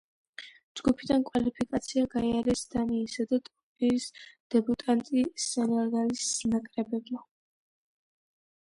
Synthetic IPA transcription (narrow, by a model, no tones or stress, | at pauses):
d͡ʒɡupʰid̪ankʼwalipʰikʼat̪sʰiaɡaiaɾɛsd̪̥aniːsad̪at̪ʼɔ | iɾisd̪̥ɛbut̪ʼant̪ʼisɛnaɾɡanisnakʼɾɛbɛbma